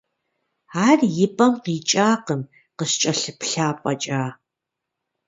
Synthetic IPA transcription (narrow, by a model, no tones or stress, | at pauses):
arjɪpʼɐmqiːt͡ʃʼaːqəm | qəɕt͡ʃʼɐɬɨpɬaːpʷʼɐt͡ʃʼaː